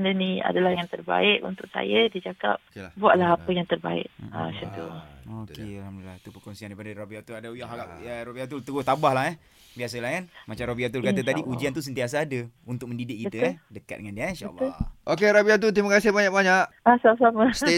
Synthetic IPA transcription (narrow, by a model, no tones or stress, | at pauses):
ndənia̰dalahjaŋt̪ərba̰ɪʔṵnt̪ʊk̚sa̰jədit͡ʃaka̰p̚buaʔlaɦapəjaŋt̪ərba̰ɪ̰ʔ̚a̰sənt̪ṵokealhamdula̰it̪upərkɔnsiandaipadəɾobiat̪uladaujaaaaɾobiat̪̬ʊlt̪əɡʊt̪abahlaɦɛ | bias̬əlahkanmat͡ʃamɾobiat̪̬ulkaəadiʔud͡ʒiant̪us̬ənt̪ias̬aːdəunt̪ʊk̚mə̃ndidɪʔkit̪əɛdəka̰t̪̚dəŋandiainʃa̰lːʔokeɾabiat̪̬ʊlt̪imakasɪbaɲakbaɲaʔ | asasaməse